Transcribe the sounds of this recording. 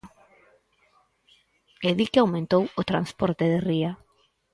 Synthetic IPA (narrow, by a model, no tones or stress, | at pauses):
eðikawmẽnt̪owʊt̪ɾanspɔɾt̪ɪðɪria